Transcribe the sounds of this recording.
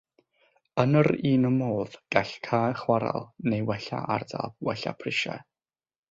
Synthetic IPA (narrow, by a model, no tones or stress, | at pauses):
ənəɾiːnəmoːðɡ̥aɬkʰaːχwaɾa̰lˠnejwɛɬa̰ʔardavwɛɬa̰pʰrɪʃa̰